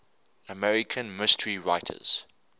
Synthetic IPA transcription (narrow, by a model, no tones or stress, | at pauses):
əmɛɹɪkʰə̃nmɪstəɹiɹaɪtʰə̰z̥